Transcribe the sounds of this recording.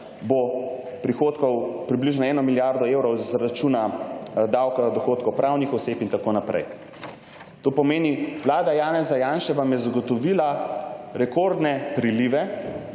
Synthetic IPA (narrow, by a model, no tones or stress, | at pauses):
bo | pɾixoːt̪kɔwpɾibliʒnɔɛːnɔmiljaɾd̪ɔewɾɔwzɾat͡ʃunad̪awkazad̪ɔxoːt̪kɔwpɾaːwnixɔseːpint̪akoːnapɾɛ̰j | t̪oːpɔmeːniʋlaːd̪ajaːnɛzajaːnʃɛʋamjɛzaɡɔt̪ɔʋilaɾɛkoɾd̪nɛpɾiliʋɛ